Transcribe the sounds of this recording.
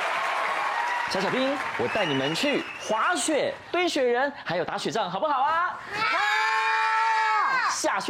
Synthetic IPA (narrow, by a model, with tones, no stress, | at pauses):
ɕɑ˧˥ɕjɑ˨˩pi˥ŋwɔ˨˩t̪a˥˩ɪni˨˩mə˦nt͡ɕʰy˥˩ | xwa˧˥ɕɥɛ˨˩˦t̪we˥ɪɕɥɛ˨˧˥ɻə˧˥nxa˧˥jo˨˩t̪a˧˥ɕɥɛ˨˩ʈ͡ʂɑ˥˩ŋxɑ˨˩ʊp̬xɑ˨˩ʊɐ˦ | ɕja˥˩ɕ